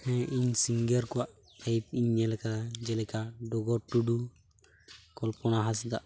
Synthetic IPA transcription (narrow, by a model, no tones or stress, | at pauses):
hɛ̃iɲsiŋɡeɾkuaʔ | pajp̚iɲːɛlɛkaad͡ʒɛlɛkaɖɔɡɔʈːuɖu | kɔlpɔnaɦas̬d̪a̰ʔ